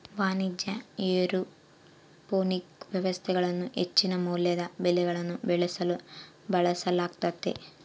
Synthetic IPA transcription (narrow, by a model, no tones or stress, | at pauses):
ʋaːnid̪jɐeːɾu | poːnikʋjɐʋɐst̪ʰɛɡɐɭɐnːuʔet͡ʃːinɐmuːljɐd̪ɐbelɛɡɐɭɐnːubeɭɐsɐlu | bɐɭɐsɐlaːkt̪ɐt̪ːḛ